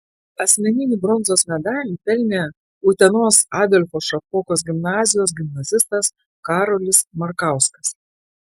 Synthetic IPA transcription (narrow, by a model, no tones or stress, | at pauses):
ɐsʲmʲɛnʲɪnʲɪːˑbɾɔnzoːsmʲɛd̪ɑːlʲiːp̪ʲɛlʲnʲe | ʊːt̪ʲɛnoːsɑːd̪ʲɔlʲfoːʃɐpɔːkoːs̬ɡʲɪmnɑːzʲɪjoːs̬ɡʲɪmnɐzʲɪst̪ɐs | kɑːɾoːlʲɪsmɐɾkɑˑʊskɐs